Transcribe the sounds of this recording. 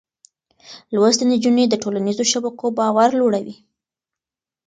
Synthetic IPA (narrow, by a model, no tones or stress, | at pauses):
lwast̪aned͡ʒuned̪əʈolanizoʃabakobɑwaɾloɽawi